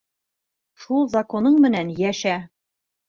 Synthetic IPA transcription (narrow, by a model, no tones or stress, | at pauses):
ʃulˠzɐko̞nɤɴmɘ̆nænjæʃæ